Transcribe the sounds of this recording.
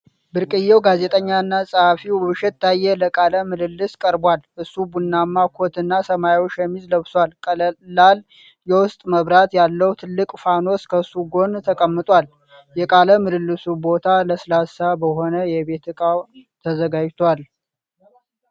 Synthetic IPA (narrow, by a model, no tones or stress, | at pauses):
bɨɾkʼɨjːɛwɡaze̞t̪ʼəɲːaɨnːasʼəhafiwwɨʃɛt̪ːajːɛləkʼaləmɨlɨlːɨskʼəɾbwalʔɨsːubunːamːakʰot̪ɨnːasəmaot͡ʃːjɛmːizləβswalkʼəlal | jɛwʊst̪ʼməβɾat̪jalːəwt̪ʰɨlːɨkʼfano̞skʰəsuɡo̞nt̪ʰəkʼəmːɨt̪ʼwal | jɛkʼaləmɨlɨlːɨsubo̞t̪ʰaləslasabəɦo̞nəjɛβe̞t̪ʰɨkʼawt̪ʰəzəɡad͡ʒt̪ʰwal